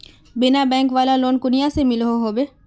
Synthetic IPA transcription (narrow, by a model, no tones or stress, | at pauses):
bɪnabɛ̃ːŋkʋaːlaloːnkʊnɪjasemɪlɦoɦoːbeː